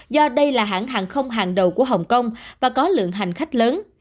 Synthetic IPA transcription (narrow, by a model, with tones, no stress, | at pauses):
zɔ˧ɗə˧jlaː˨˩ɦa̰ː˧˩nɦaː˨˩nxə˧wŋ͡mɦaː˨˩ŋɗə˨˩wku˧˩əɦə˨˩wŋ͡mkə˧wŋ͡mvaː˨˩kɔ˨˦lɨ̰˧˨əŋɦa˨˩jŋ̟xa˦˥jk̟̚ləː˨˦n